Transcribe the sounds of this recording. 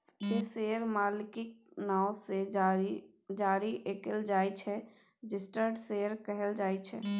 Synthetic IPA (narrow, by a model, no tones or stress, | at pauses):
kiseːəɾmaːlɪkɪk̚naːʊse | d͡ʒaːɾiʔeːkəld͡ʒaːit͡ʃʰɛ | d͡ʒɪsʈəɾɖseːəɾkɛɦəld͡ʒaːet͡ʃʰɛ̰